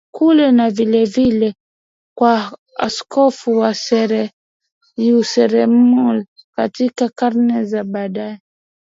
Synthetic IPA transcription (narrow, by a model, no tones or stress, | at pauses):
kʰulɛnavilɛvilɛ | kwa | a̰skʰɔfuwasɛɾɛ | jusɛɾɛmulkatikakaɾnɛzaɓaɗaɛ